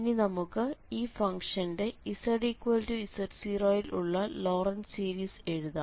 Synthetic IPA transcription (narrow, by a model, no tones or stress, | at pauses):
inːinɐmukːɨiːfɐŋʂɐnde̞isɐɽikːwɐltuisɐɾsiroːjilʔuɭːɐlo̞ːrɐnsiːɾiːse̞ɻuðaː